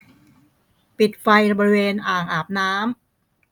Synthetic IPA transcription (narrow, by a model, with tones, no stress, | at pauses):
pi˨˩t̪̚fa˧jbɔː˧ɾi˦˧weː˧nʔaː˨˩ŋʔaː˨˩p̚naː˦˥m